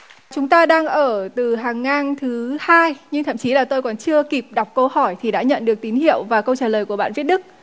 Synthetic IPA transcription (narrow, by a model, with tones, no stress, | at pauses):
t͡ɕʊ˨˦ŋ͡mt̪aː˧ɗaː˧ŋʔəː˧˩t̪ɨ˨˩ɦaː˨˩ŋːaː˧˩nt̪ʰɨ˨˦haː˧jɲɨ˧ŋt̪ʰə̰˧˨mt͡ɕi˨˦laː˨˩t̪o˧jkɔ˨˩nt͡ɕɨ˧əki˨˩p̚ɗa˨˩wk͡p̚kə˧whɔ˧˩jt̪ʰi˨˩ɗa̰ː˧˥ɲə̰˧˨nɗɨ˨˩ək̚t̪i˨˦nɦḭ˧˨əwvaː˨˩kə˧wt͡ɕaː˨˩ləː˨˩jku˧˩əɓa̰ː˧˨nvət̚ɗɨ˦˥k̚